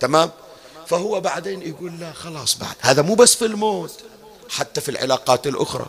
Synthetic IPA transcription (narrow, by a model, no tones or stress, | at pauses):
t̪amaːm | fahʊwːabaʕd̪eːnjɡuːlːaxɑlɑːsˤba̰ʕd̪̥haːðamuːbasːfilmoːt̪ | ħat̪ːafilʕɪ̰lɑːqɑːt̪ɪlʔʊ̰xɾˤɑ̰